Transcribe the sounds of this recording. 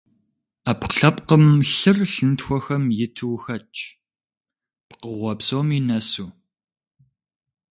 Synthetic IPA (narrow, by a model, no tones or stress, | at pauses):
apqəɬɐpqəmɬɨrɬɨntxʷɔxɐmjɪtʰɨwxɐt͡ʃʼ | pqəʁʷɔpsowminɐsuː